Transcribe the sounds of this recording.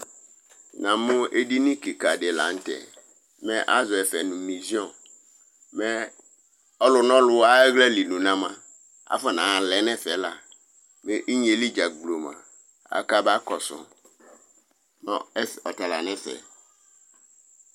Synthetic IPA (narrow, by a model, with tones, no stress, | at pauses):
nã˨mʊ̃˦e˦di˦nĩ˦ki˨ka˨dɪ˨la̰˨˦n̩˦tɛ̰˨ | mɛ̃˦ʔa˦zʊ˨ɛ˨fɛ˨nʊ̃˨mĩ˨zi˦ɔ̃˨ | mɛ̃˦ | ɔ˦lʊ˨nɔ̃˦lʊ˨a˦ɛ˦ɣlɛ˦li˨nũ˨nã˦mã˨ | a̰˦fɔ˨nã˨lɛ˨nɛ̃˦fɛ˨la˨ | mɛ˦ʔi˦ɲ˦e˨li˦d͡ʒa˨ɡ͡blo˨mã̰˨ | a̰˨ka˦ba˦kɔ˨sʊ̰̃˨ | nɔ̰̃˦ɛ˦sɔ˨ta˨la̰˨nɛ̃˦sɛ̰˨